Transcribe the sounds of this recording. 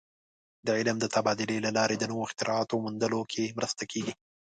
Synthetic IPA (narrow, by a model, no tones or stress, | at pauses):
d̪əʕɪlmd̪ət̪abɑd̪ɪlelalɑɾed̪ənəwoɪxt̪ɪɾɑt̪omund̪əlokʰemɾəst̪akʰeɡi